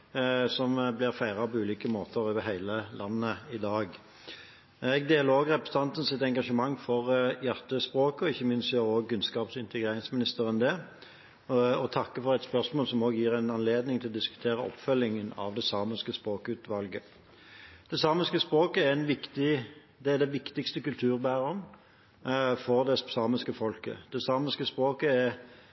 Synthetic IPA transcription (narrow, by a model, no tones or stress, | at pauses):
sɔmblɪʁfæɪʁɑpʰɔʉːliːkəmoːt̪ʰəɾøːʋəɦæɪləlʔɑnːəɪd̪ɑːɡ | ɛɡd̪eːləɾʁoːɡʁɛpɾəst̪ɑnt̪ən̩sɪt̪ɛŋɡɑʂəmɑŋːfɔʁjæʁt̪əspʁoːkəɔɪçːəmɪnst̪øʁoːɡkʉnskɑːpsɪnt̪əɡʁeːɾɪŋsmɪnɪst̪əɾɛnd̪ɛ | ɔt̪ʰɑkːəfɔʁɛt̪spœʁsmoːlsɔmoːɡəjiːʁæɪnɑnleːd̪nɪŋt̪ɪlɔd̪ɪskʉ̥t̪ʰeːʁəɔ̰pfœlːɪŋənɑ̰ʋd̪ɛsɑːməskəspʁoːkʉːt̪ʋɑlɡə | d̪̥ɛsɑːməskəspʁoːkəæɛnʋɪkt̪ɪ | d̪ɛæd̪ɛʋɪkt̪ɪkst̪əkʉlt̪ʰʉːʁbæːʁɔm | fɔʁd̪ɛsɑːməskəfɔlkə̰d̪̥ɛsɑːməskəspʁoːkəæʁ